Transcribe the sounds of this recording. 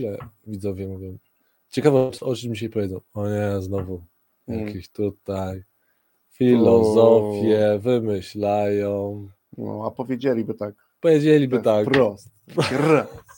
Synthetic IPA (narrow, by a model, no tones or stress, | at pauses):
ilɛvʲid̪zɔvʲjɛmuvʲjɛm | t͡ɕɛkavɛɔɔt͡ʃɘd͡ʑiɕajpɔvʲedzɔ̃w̃ɔɲɛznɔvu | jakʰʲeɕt̪ut̪aj | fʲilɔzɔfʲjɛvɘmɘɕlajɔ̃w | nɔ̰apɔvʲjed͡ʑelʲibɘt̪ak | pɔvʲjed͡ʑelʲibɘt̪akɾɔst̪ɾas